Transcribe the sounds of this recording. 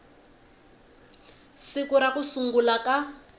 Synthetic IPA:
sikuɾakusuŋɡulaka

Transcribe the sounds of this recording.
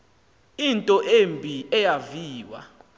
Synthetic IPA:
intʼɔʔembʱiɛjaviːwa̰

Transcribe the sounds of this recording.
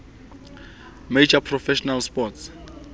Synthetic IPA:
med͡ʒapʰrɔfɛʃɔnalspɔts

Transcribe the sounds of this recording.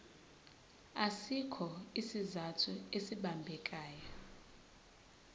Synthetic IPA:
asikʰɔisizatʰuesiɓambʱɛkʼaːjɔ

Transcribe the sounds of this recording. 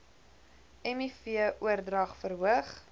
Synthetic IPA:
ɛmifiəʔuərdrɐχfəɾɦuəχ

